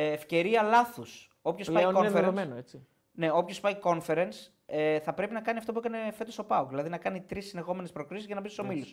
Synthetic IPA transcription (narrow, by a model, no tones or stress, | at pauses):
fce̞ɾiɐlɐθus | o̞pçosɐikoeɾeomenoet͡si | ne̞o̞pço̞spɐiko̞nfe̞ɾens | eθɐpɾe̞pinɐkɐniɐft̪o̞puekɐne̞fe̞t̪osopɐokðilɐðinɐkɐnit̪ɾisːinðexo̞me̞nespɾo̞kɾisizʝɐnɐbist̪so̞milus